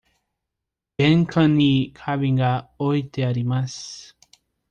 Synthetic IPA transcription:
b̥ẽŋkʰãnikʰaβĩŋɡaojt̪eaɾimas

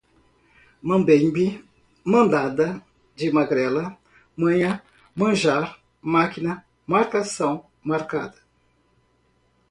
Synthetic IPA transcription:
mɐ̃bẽj̃bi | mɐ̃nd̪ad̪ɐ | d͡ʒɪmaɡɾɛlɐ | mɐ̃ɲɐ̃ | mɐ̃ʒaɾ | makinɐ | maɾkasɐ̃w̃ | maɾkad̪ɐ̥

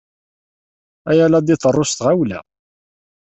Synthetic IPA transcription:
æjælæd̪iθərˤːost̪ʁawlæ̰

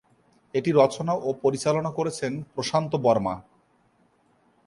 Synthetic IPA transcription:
eʈiɾɔt͡ɕonaʔopoɾit͡ɕalonakoɾet͡ɕʰenpɾoʃant̪obɔɾma̰

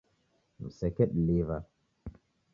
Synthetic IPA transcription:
nṵsɛkɛɗleva

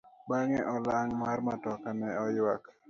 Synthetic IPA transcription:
baŋɛʔɔlaŋmaɾmatɔkanɛɔjwak

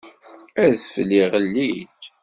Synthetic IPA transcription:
æðflːiʁəlːid

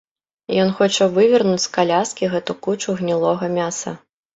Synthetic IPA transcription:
jɔnxɔt͡ʂɐvɨvʲɐrnut͡sʲskalʲaskʲiɣɛt̪ukut͡ʂuɣnʲilˠɔɣɐmʲasɐ̰

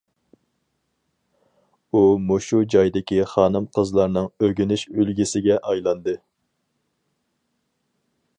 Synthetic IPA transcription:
umoʃud͡ʒɑjd̪ɪkʲiχɑːnɨmqʰəzlˠɑɾnɨŋøɡʲynɪʃylɡʲisɪɡʲɛʔɑjlˠɑnd̪ɨ

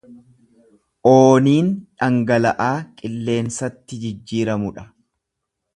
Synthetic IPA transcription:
ʔoːniːnᶑɐŋɡɐlɐʔaːkʼɪlːe̞ːnsɐt̪ːɪd͡ʒɪd͡ʒːiːɾɐmʊᶑɐ̥

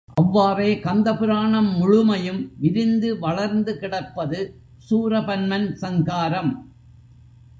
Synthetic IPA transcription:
ʔɐʋːaːreːkɐnd̪ɐpɪɾaːɳɐmːʊɻʊmɐjɯmʋɪɾɪnd̪ɯʋɐɭɐɾnd̪ɯkɪɽɐpːɐðɯ | suːɾɐpɐnmɐnsɐŋɡaːɾɐm

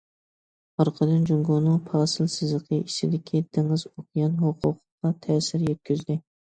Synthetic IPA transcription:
ɑɾqʰɑd̪ɨnd͡ʒoŋɡonɨŋpʰɑːsɨlˠsɨzlˠəqʰəit͡ʃʰɪd̪ɪkʲʰid̪̥ɨŋɨzokʰjɑnɦoqʰʊqʰqːɑt̪ʰɛːsɪɾjɛt̪̚kʲyzd̪ɪ

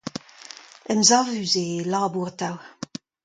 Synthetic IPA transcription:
ɛmzaʁvyzelaːbuʁtaw

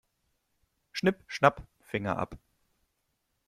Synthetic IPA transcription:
ʃnɪpʃnap | fɪŋɐ̰ʔa̰p

